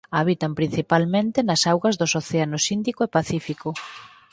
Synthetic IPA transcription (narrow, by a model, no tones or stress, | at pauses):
aβit̪ɐmpɾin̟θipalmẽnt̪ɪnɐsawɣɐzðʊsoθeanʊsind̪ikʊepaθifikʊ